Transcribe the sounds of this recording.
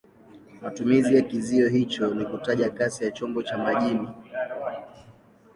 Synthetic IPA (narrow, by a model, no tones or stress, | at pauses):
matumizijakiziɔɦit͡ʃɔnikutaʄakasijat͡ʃɔmbɔt͡ʃamaʄini